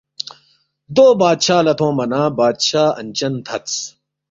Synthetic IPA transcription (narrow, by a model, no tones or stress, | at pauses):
d̪oːbaːd̪ɕaːlɐt̪ʰõːmɐnaːbaːd̪ɕaːɐ̰nʲt͡ɕɐnt̪ʰɐt̪t͡s